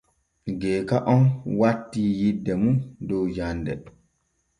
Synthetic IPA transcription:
ɡɛːkaʔɔnwatːiːjidːɛmundɔwd͡ʒandɛ

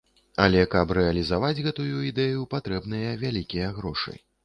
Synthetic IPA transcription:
ɐ̰lʲɛkɐpɾɛɐlʲizavad͡zʲɣɛt̪ujuid̪ɛjupat̪ɾɛbnɨjɐvʲalʲikʲijɐɣɾɔʂɨ̰

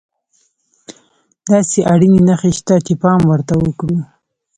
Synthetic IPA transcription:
d̪ɑseʔaɽininaxeʃt̪at͡ʃepɑmwəɾt̪awəkɽu

